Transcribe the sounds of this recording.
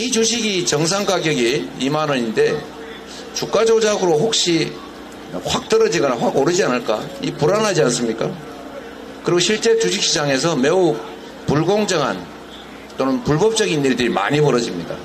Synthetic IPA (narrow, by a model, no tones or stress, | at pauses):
it͡ɕuɕʰiɡit͡ɕʌŋs̬ʰaŋɡaɡjʌɡiimanʌinde̞ | t͡ɕuk͈̚ad͡ʑod͡ʑaɡɯɾoɸok̚ɕ͈i | ɸwak̚t͈ɯɾʌd͡ʑiɡʌnaɸwaɡoɾɯd͡ʑianɯɭk͈a̰ipuɾanɦad͡ʑians͈ɯmɲik͈a | kɯɾiɡoɕʰiɭt͡ɕ͈e̞t͡ɕuɕʰik̚ɕ͈ʰid͡ʑaŋe̞s̬ʰʌme̞u | puɭɡoŋd͡ʑʌŋɦa̰n | t͈onɯnpuɭbʌp̚t͡ɕ͈ʌɡiniɾdɯɾima̰ɲipʌɾʌd͡ʑimɲida̰